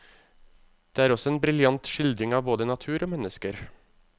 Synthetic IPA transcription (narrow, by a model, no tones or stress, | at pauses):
d̪̥eːæːɾɔsɔɛnbɾɪljɑnt̪ʃɪld̪ɾɪŋɑːʋboːd̪ənɑt̪ʰʉːɾoːmɛnəskəɾ